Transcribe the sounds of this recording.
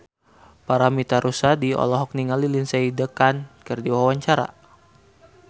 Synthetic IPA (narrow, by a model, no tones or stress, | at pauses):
paɾamit̪aɾusadiɔ̰lɔɦɔk̚niŋalilinseidəkankərdiwawaɲt͡ʃaɾa̰